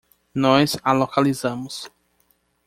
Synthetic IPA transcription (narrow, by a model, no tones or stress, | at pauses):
nɔjzalokalizɐ̃mʊs